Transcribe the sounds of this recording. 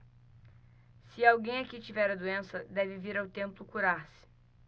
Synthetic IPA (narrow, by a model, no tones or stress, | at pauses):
sɪawɡẽj̃akit͡ʃivɛɾɐd̪uẽsɐd̪ɛvɪviɾawt̪ẽmplʊkuɾaɾsɪ̥